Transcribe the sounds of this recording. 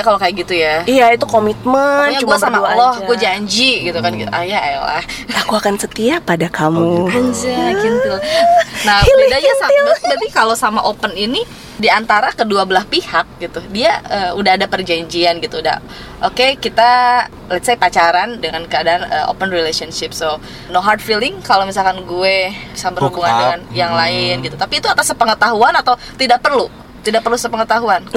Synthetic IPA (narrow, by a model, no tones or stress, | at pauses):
jakalokajaʔɡit̪ujaijait̪ukomit̪̚mənɲat͡ʃuɡuasamalɔhɡuad͡ʒaɲd͡ʒiɡit̪ukanɡit̪uʔajaajala̰hakuakansət̪iapadakamuəɲd͡ʒaɡint̪unahidad͡ʒasamabat̪ikalosamaʔopənini | diant̪aɾakəduabəlahpihak̚ɡit̪udiaəːudahadapərd͡ʒaɲd͡ʒianɡit̪uːda̰ | ʔokekit̪a | lɛt̪sejpat͡ʃaɾandəŋankəadaːnə̰ʔo̰pənrilesanʃɪp̚so | noɦart̪̚filɪŋkalowmis̬alkanɡuebisabərhubuŋandəŋanjaŋlaɪnɡit̪ut̪apiːt̪uat̪asəpəŋət̪aɦuanat̪aw | t̪idak̚pərlu | t̪idaʔk̚pərlusəpəŋət̪aɦuan